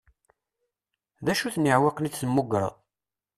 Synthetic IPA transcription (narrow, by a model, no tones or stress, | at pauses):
ðæʃuθnːəʕwɑqnit͡sːθəmːʊɡɾˤə̰ðˤ